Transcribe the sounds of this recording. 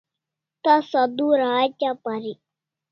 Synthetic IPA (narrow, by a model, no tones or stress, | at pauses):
t̪asad̪uɾaːt͡ʃapaɾi